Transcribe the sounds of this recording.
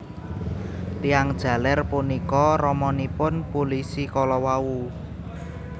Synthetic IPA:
t̪iaŋd̥ʒ̥ä̤lɛrpunikɔrɔmɔnipʊnpulisikɔlɔwawu

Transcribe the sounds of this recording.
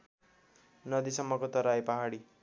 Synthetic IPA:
nʌd̪isʌmːʌkot̪ʌɾajpʌɦaɽi

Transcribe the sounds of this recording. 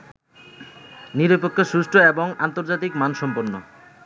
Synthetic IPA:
niɾopokʰːoʃuʃʈʰoeboŋant̪oɾd͡ʑat̪ikmanʃɔmpoɾno̰

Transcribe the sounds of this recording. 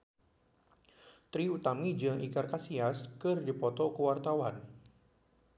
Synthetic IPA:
t̪ɾiut̪amid͡ʒəŋʔikarkasiaskɨrdipɔt̪ɔkəwart̪awan

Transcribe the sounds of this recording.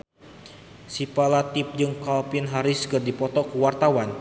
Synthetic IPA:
sipalat̪ɪp̚d͡ʒɨŋkalpɪnɦaɾɪskɨrdipɔt̪ɔkəwart̪awan

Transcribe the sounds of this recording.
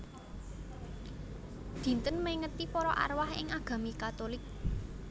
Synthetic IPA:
d̪̥i̤nt̪ənmeŋət̪ipɔɾɔʔa̰rwahɪ̰ŋaɡ̥ä̤mikat̪olɪk̚

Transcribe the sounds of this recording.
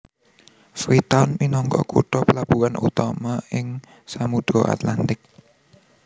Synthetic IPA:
fɾit̪aʊnminɔŋkɔ̰kuʈɔpəlab̥uanʔṵt̪amaɪŋ | samud̪̥ɾɔʔa̰t̪lant̪ɪk̚

